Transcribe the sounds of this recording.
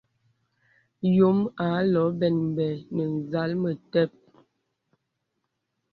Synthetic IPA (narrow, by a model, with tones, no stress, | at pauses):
jo˨˦ma˨˦lɔ˨˦bɛ˨nm˨bɛ˨nə˨n˨za˨˦lmə˨tɛ˦˨p̚